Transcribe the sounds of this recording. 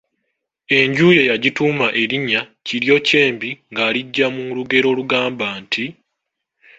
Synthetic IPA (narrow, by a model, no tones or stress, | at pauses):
e̞ɲɟuːje̞jaɟituːmaʔe̞ɾiɲːaciɾjo̞ce̞ːmbiŋɡaːliɟːamuluɡe̞ɾo̞ːluɡaːmbaːnti